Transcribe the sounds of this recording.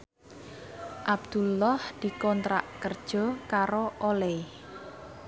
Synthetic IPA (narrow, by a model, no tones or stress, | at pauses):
ʔab̚d̪̥ṳlːɔhd̪̥i̤kɔnt̪ɾa̰ʔkərd̥ʒ̥ɔ̤kaɾoʔolɛ